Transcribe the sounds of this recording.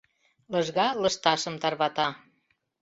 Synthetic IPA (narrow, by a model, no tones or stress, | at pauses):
lɤʒɣɑlɤ̆ʃt̪ɑʃə̆mt̪ɑrβɑt̪ɑ